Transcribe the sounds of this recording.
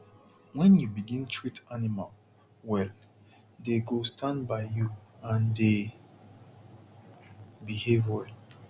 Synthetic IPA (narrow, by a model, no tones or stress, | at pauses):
wɛ̃njubiɡĩntʰɹitanimal | wɛl | deɡostʰãndbaɪjuãnde | bihevwɛl